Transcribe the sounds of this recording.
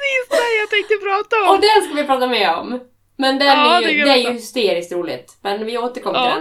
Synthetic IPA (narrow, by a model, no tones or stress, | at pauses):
isɛjat̪ʰɛ̃ɪŋt̪ɔpʰɾɑːt̪aɔɔd̪ɛnskavʋɪpʰɾɑːt̪amɛɔ̰m | mɛnd̪ɛnæjd̪ɛæɾjɵhʏst̪eːɾɪskt̪ɾuːlɪ̰t̪mɛnvɪoːt̪əɾkʰɔmːəɾɛ